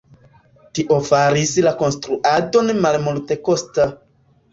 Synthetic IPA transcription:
tiʔo̞faɾislako̞nstɾuʔado̞nmalmulte̞kosta

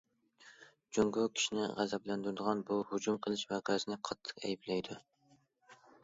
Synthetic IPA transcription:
d͡ʒuŋɡʊkʲʰi̥ʃinɪ̰ʁæzɛblænd̪uɾd̪ɨəʁɑnbuhʊd͡ʒumqʰəlˠɨʃvɛʁæzɪnɪqʰɑt̪ʰːɨ̥qɛ̰jiblɛjd̪u

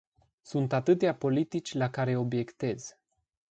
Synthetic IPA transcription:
sunt̪at̪ɨt̪eapo̞lit̪it͡ʃʲlakaɾe̞o̞bje̞kt̪e̞z̥

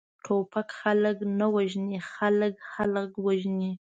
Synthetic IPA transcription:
ʈʰopakxaləknawaʒnixaləkxaləkwaʒni

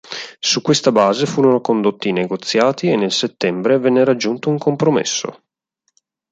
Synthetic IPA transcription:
sukwest̪abaːzefuːɾonokond̪ot̪ːineɡot̪sːjaːt̪ienːelset̪ːɛmbɾevɛnːeɾad͡ʒːunt̪ouŋkompɾomḛsːo̰

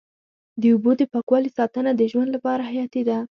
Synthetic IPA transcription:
d̪əubod̪əpakwɑlisɑt̪ənad̪əʒwand̪lapɑɾaɦajɑt̪ed̪a

